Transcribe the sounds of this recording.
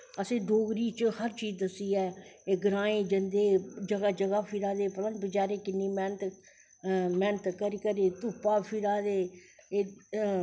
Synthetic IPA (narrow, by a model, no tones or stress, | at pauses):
əsẽːɖoːɡɾiːt͡ʃhəɾt͡ʃiːzd̪əsiːɛːeːɡəɾãːẽːd͡ʒənd̪eːd͡ʒəɡad͡ʒəɡaːpʰiɾaːd̪eːpələnbɪt͡ʃaːɾeːkɪnːiːmɛːnət̪ | mɛːnət̪kəɾikəɾeːt̪uːpaːpʰiɾaːd̪eːeː